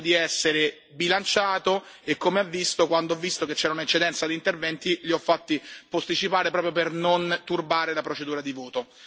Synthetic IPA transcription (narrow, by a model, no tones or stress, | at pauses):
d̪iɛsːeɾe | bilant͡ʃaːt̪o | ekːomeavːist̪okwand̪oɔvːist̪ok̟et͡ʃːɛːɾaunaet͡ʃːed̪ɛnt̪sad̪int̪ervɛnt̪iʎiɔfːat̪ːipost̪it͡ʃipaːɾepɾɔːpɾjop̬ernont̪urbaːɾelapɾot͡ʃed̪uːɾad̪ivoːt̪o